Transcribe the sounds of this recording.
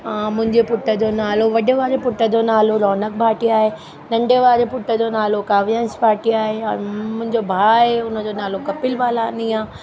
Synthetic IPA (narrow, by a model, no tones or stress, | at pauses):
ãmʊ̃ɦɪ̃ɲd͡ʑepʊʈːəd͡ʑonaːloʋɐɗeʋaːɾepʊʈːəd͡ʑonaːloɾɔːnək̚bʱaːʈiaːɦe | nɐ̃ɳɖeʋaːɾepʊʈːəd͡ʑonaːlokaːʋijənsbʱaːʈiaːɦeɔɾmʊ̃ɦɪ̃ɲd͡ʑobʱaːeʊnəd͡ʑoːnaːlokɐpɪlʋaːlaniãː